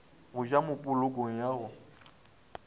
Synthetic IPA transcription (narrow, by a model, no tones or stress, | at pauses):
ɣʊd͡ʒamʊpʼʊlʊkoŋ̩jaːɣʊ